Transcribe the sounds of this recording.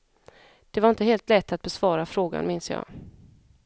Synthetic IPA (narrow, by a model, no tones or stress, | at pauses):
d̪̥ɛvaɾɪnt̪əɦeːlt̪lɛt̪ʰːat̪̚bɛsv̥ɑːɾafɾoːɡa̰nmɪnsjɑ̰ː